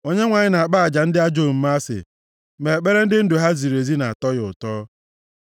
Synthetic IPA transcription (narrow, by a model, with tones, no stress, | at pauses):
o˦ɲe˦ŋʷa˨ɲɪ˦na˨a˨k͡pa˦a˨d͡ʒa˨n̩˦dɪ˦a˦d͡ʒo˦˨m̩˦ma˦sɪ̰˨ | me˨k͡pe˦ɾe˦n̩˦dɪ˦n̩˦dʊ˨ɦa˦zi˨ɾe˨zi˦na˨a˨tɔ˦jʊ˨tɔː˦